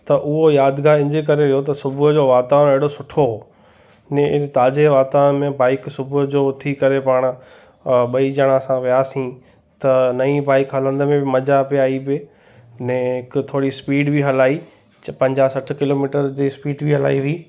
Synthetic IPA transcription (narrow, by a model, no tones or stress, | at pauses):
t̪ɐʔʊɦojaːd̪ɡaːɾɪ̃nd͡ʑek̬ɐɾeʋɪjot̪ɐsʊbʱʊd͡ʑoʋaːt̪aːneɦɪɽosʊʈʰoɦoː | nɛ̃ɪt̪aːd͡ʑeʋaːt̪aːnmẽbaːɪksʊbʱʊd͡ʑoʊt̪ʰikɐɾepaːɽ̃ʊ̆ | ɓɐid͡ʑɐɽ̃ãsãʋijaːsĩ | t̪ɐnɐĩbaːɪkɦɐlə̃nd̪mẽbɪmɐd͡ʑapiaːibɪ | nɛ̃ɦɪkt̪ʰoːɽispiːɖbʱiɦɐlaːi | pɐ̃ɲd͡ʑaːsɐʈ̆ʰkɪloːmiːʈəɾd͡ʑiːspiːɖbʱɪɦɐla̰ːiʋiː